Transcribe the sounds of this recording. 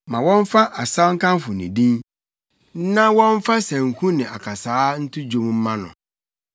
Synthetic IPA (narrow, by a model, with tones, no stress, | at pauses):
mã˨wɔ̃˦ɱ˦fa˦ʔa˨sa˦ŋ̩˦kʰã˦mfʊ˨nɪ̃˨dĩ˦n˦ | nã˦wɔ̃˦ɱ˦fa˦sæ̃˨ŋ̩˨kʰũ˦nɪ̃˨ʔa˨kʰa˨saː˦n̩˦tʰʊ˦d͡ʑo˦mm̩˦mã˦nʊ̰̃˨